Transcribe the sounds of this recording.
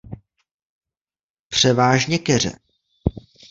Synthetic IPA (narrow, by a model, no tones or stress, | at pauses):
pr̝̥ɛvaːʒɲɛkɛr̝ɛ̰